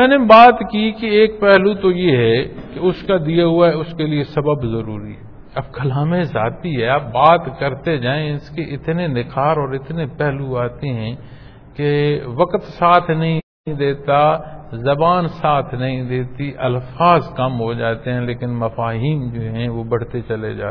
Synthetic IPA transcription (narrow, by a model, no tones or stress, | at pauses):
mɛ̃ːnebaːt̪kikeeːk̚pɛɦlut̪ojeɦɛkeʊskad̪ijaɦʊaɦɛʊskeliesɐbəbzɐɾṵːɾḭɦɛɛ | ɐb̚kɐlaːmẽza̰ːt̪iɦɛaːp̚baːt̪kɐɾt̪ed͡ʒaːẽɪskeʔɪt̪nenɪkʰaːɾɔːɾɪt̪nepɛɦluaːt̪eɦɛ̃ | keʋɐkt̪saːt̪ʰnɐɦĩ | ĩd̪eːt̪azɐbaːnsaːt̪ʰnɐɦĩd̪eːt̪iʔɐlfaːzkɐmɦod͡ʒaːt̪eɦɛ̃leːkɪnmɐfaːɦiːnd͡ʒoːɦɛ̃ʋobɐɽ̤t̪et͡ʃɐled͡ʒa̰ːe